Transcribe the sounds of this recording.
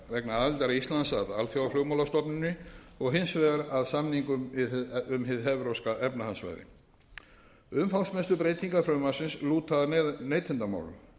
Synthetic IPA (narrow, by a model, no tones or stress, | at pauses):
vɛknaalt̪aɾaist̪lansat̪alθjawaflowmawlast̪ɔpnɪnːɪ | ɔɣɦɪnsvɛːɣaɾaðsamniŋkʏmɪðʏmɦɪðɦɛvɾowskaʔɛpnahansva̰ːjðɪ̰ | ʏmfawsmɛst̪ʏpɾeːjt̪iŋkafɾœːmasɪnsluːt̪ʰːaðneːjt̪ʰɪnt̪ama̰wlʏ̰m